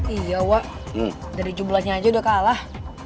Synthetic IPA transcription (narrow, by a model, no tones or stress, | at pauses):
ijawaʔ | daɾid͡ʒublahɲaːd͡ʒaudakalah